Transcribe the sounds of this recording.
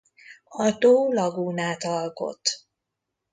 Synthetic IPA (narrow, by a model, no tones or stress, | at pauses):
ɒt̪oːlɒɡuːnaːt̪ɒlko̞̰t̪